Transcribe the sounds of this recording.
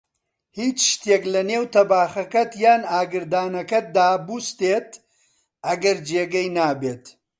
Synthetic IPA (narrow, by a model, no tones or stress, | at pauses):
hiːt͡ʃʃt̪jeklɐneːwt̪ɐbaːxɐkɐt̪jaːnaːɡɨɾd̪aːnɐkɐd̪aːbuːst̪eːt̪ | ɐɡɐɾd͡ʒeːɡɐjnaːbeːt̪